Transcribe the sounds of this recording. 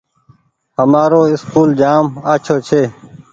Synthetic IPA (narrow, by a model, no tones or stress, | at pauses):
həmaːɾoːɪskuːld͡ʒaːmaːt͡ʃʰoːt͡ʃʰeː